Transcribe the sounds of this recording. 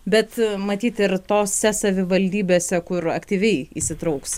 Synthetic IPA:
bʲɛt̪mɐt̪ʲiːt̪ɪɾt̪oːssʲɛsɐʋʲɪʋɐlʲd̪ʲiːbʲeːsʲɛkʊɾɐkt̪ʲiːʋʲɛɪḭsʲɪt̪ɾɐʊks

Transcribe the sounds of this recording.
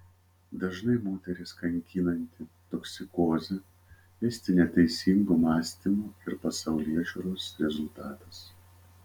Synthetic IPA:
d̪ɐʒnɐɪmoːt̪ʲɛɾʲɪskɐŋʲkʲiːnɐnʲt̪ʲɪt̪oksʲɪkoːzʲɛ | ʋʲɛsʲt̪ʲɪnʲɛt̪ʲɛɪsʲiːŋɡuːmɑːsʲt̪ʲimuːɪɾpɐsɐʊlʲiɛʒʲʊɾoːsɾʲɛzʊlˠt̪ɑːt̪ɐs

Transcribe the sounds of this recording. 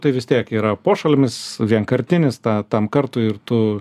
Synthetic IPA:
t̪ɐɪʋʲɪsʲt̪ʲiɛkiːɾɐpoːʃɐlʲɪmʲɪsʋʲiɛŋkɐɾʲt̪ʲɪnʲɪst̪ɑːt̪ɐmkɐrt̪ʊɪrt̪ʊ

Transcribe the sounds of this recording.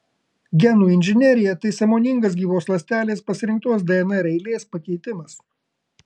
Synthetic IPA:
ɡʲɛnuːɪnʲʒʲɪnʲɛɾʲɪjɛt̪ɐɪsʲɐmoːnʲɪŋɡɐs̬ɡʲiːʋoːslˠɐsʲt̪ʲæːlʲeːspɐsʲɪɾʲɪŋk̚t̪uɔs̬d̪ʲɛɛnɐɾʲɛɪlʲeːspɐkʲɛɪt̪ʲɪmɐs

